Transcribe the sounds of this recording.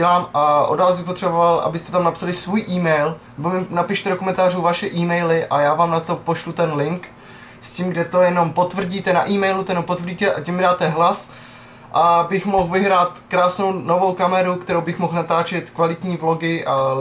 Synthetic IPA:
ɛlaːmaʔo̰dvaːsbɪxpo̞t̪r̥ɛbovalʔa̰bɪst̪ɛ̥t̪amnapsalɪsvuːjʔiːmɛjlnɛbomɪnapɪʃt̪ɛdokomɛnt̪aːr̝uːvaʃɛʔiːmɛjlɪʔajaːvaːmnat̪o̞po̞ʃlut̪ɛnlɪŋk | scimɡdɛt̪o̞jɛno̞mpo̞t̪vr̩ɟiːt̪ɛna̰ʔiːmɛjlut̪ojɛnompo̞t̪vrɟiːt̪ɛʔacɛmːɪdaːt̪ɛɦlas | ʔabɪxmoxvɪɦɾaːt̪kɾaːsnownovo̞wkamɛɾukt̪ɛɾowbɪxmo̞xnat̪aːt͡ʃɛt̪kvalɪt̪ɲiːvlo̞ɡɪʔa

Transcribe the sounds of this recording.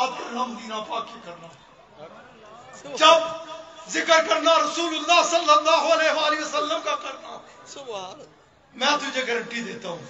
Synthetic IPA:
aːd̪kəɾnaːməd̪iːnãːpaːkeːkəɾnaː | d͡ʒəbzɪkəɾkəɾnaːɾəsuːlʊlːaːsəlːəlːaːɦoəleːʋaːlɪəsəlːəmkaːkəɾna̰ː | mɛ̃ːt̪ʊd͡ʒeːɡəɾəɳʈiːd̪eːt̪aːɦũː

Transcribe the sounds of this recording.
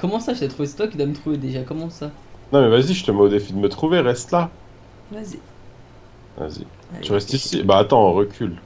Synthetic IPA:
kɔmɑ̃saʒət̪ɛt̪χuvesɛ̥t̪wakid̪wamət̪χuved̪eʒakɔmɑ̃sa | nɔ̃mɛvaziʒət̪əmod̪efid̪əmət̪χuveʁɛst̪la | vazi | va̰zḭ | t̪yʁɛst̪isibaːt̪ɑ̃ʁəkʲʰyl

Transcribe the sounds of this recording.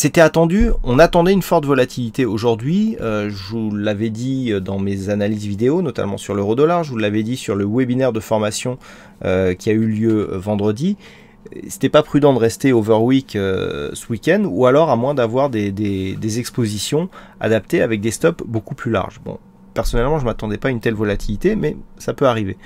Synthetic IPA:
set̪ɛat̪ɑ̃d̪yɔ̃nat̪ɑ̃d̪ɛynfɔʁt̪vɔlat̪ʰilit̪eoʒuʁd̪ɥiøʒəlːavɛd̪iød̪ɑ̃mezanalizvid̪eonɔt̪a̰lmɑ̃syʁløʁod̪ɔlaʁʒulːavɛd̪isyʁləwɛbinɛʁd̪əfɔʁmasjɔ̃ | økʲʰiayljø̰vɑ̃d̪ʁəd̪i | se̥t̪ɛpapχyd̪ɑ̃d̪əʁɛst̪eovɛʁwikøsəwikʲɛnd̪ualɔʁamwɛ̃d̪avwaʁd̪ed̪ed̪ezɛkspozisjɔ̃ | a̰d̪ap̚t̪eavɛk̚d̪est̪ɔpbokuplyla̰ʁʒbɔ̰̃ | pɛʁsɔnɛlmɑ̃ʒəmat̪ɑ̃d̪ɛpaynt̪ɛlvɔlat̪ʰilit̪emɛsapøaʁive

